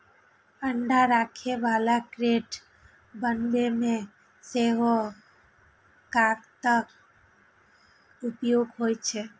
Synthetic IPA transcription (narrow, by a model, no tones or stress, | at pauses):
əɳɖaɾakʰeʋalakɾeʈ | bənbemẽ | seʋo | kakt̪ək | upjoɡɦojt͡ʃʰe